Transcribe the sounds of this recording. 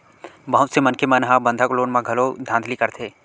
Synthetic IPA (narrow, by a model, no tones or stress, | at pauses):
bɐɦʊt̪semɐnkʰemənɦãbə̃nd̪ʱakloːnmãɡʱɐlod̪ʱãːnd̪likɐɾt̪ʰeː